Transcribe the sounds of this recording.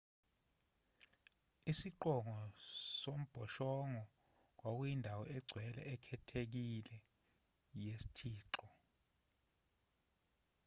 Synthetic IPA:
isiǃɔŋɔsom̩b̥ʱɔʃɔŋɔ | k̬wak̬ujindʱawɔɛɡ͡ǀʱwɛlɛ̰ɛkʰɛtʰek̬ilɛ | jesi̥tʰiːǁɔ

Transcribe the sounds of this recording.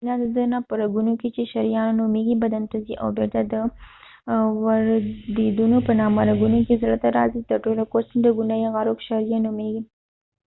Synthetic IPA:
nad̪əd̪ənapɐɾaɡunoket͡ʃeʃɐɾijɑnnomeɡibɐd̪ant̪aziʔa̰wbeɾt̪ad̪ə | wɐɾd̪ed̪unopənɑːmaɾaɡunokezɽat̪aɾɑzit̪ɐɾʈolokosənd̪əɡʊnajeɣɑɾokʃaɾijanomeɡi

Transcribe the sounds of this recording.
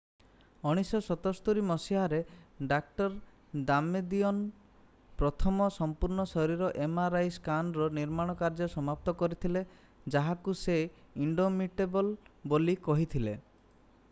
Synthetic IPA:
ɔɽ̃isɔsɔt̪ɔst̪uɾimɔsiɦaɾeɖak̚ʈɔɾ | d̪amed̪iɔn | pɾɔt̪ʰɔmɔsɔmpuɾɳɔsɔɾiɾɔʔemaɾajskanɾɔniɾmaɽ̃ɔkaɾd͡ʒɔsɔmap̚t̪ɔkɔɾit̪ʰile | d͡ʒaɦakuse | iɳɖomiʈebɔlbolikɔɦit̪ʰile

